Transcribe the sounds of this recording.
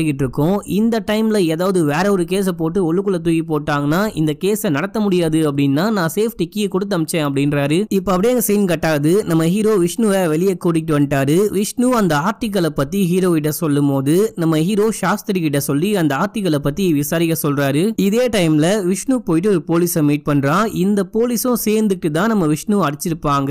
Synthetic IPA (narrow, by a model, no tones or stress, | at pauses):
ɯkːɪʈːɪɾɯkːʊ̃ɪnd̪ɐʈɐɪmlɐeːðaːʋɐðɯʋeːɾɐɔɾɯkeːs̬ɐpoːʈːɯɔɭːɯkːɯlɐt̪ujipoːʈːaːŋɡɐnːaːɪnd̪ɐkeːsɐnɐɽɐt̪ːɐmʊɽɪjaːðɯɐp̬ːɐɽɪnːaːnãːseːfʈɪkːikɔɽɯt̪̬ːɐmɪt͡ʃːẽːɐpːɐɽɪnɾaːɾɯɪpːoːɐp̬ːɐɽɪjeːŋɡɐsɛjnɯkɐʈːaːðɯnɐmːɐɦiːɾoːʋɪʂɳuʋɐʋɛɭɪjɐkːuːɽɪʈːɯʋɐɳɪʈaːɾɯʋɪʂɳuːɐnd̪ɐaːɾt̪ɪk̬ːɐɭɐpːɐt̪ːiɦiːɾoːɪʈːɐsɔlːɯmpoːðɯnɐmːɐɦiːɾoːʂaːst̪ɪɾɪkɪʈːɐsɔlːiɐnd̪ɐaːɾt̪ɪkːɐɭɐpːɐt̪ːiʋɪsaːɾɪɣɐsɔlraːɾɯɪðeːʈɐɪmlɐʋɪʂɳupoːjɪʈːɯɔɾɯpoːlisɐmiːʈ̚pɐɳːɾãːɪnd̪ɐpoːlɪsʊ̃seːɾnd̪ɯkːɯt̪ːãːnɐmːɐʋɪʂnuːɐɽɯt͡ʃːɪɾɯpːaːŋɡɐ